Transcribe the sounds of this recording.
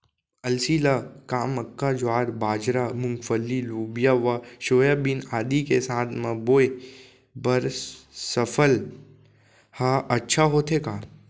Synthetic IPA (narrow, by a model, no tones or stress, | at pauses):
əlsiːlakaːməkːad͡ʒoaːɾbaːd͡ʒɾamʊ̃ŋɡfəlːiluːbjaʋaʃoːjabinaːd̪ikesaːt̪ʰmãboːe | bəɾssəfʰəl | haːʔətːʃʰaɦoːt̪ʰekaː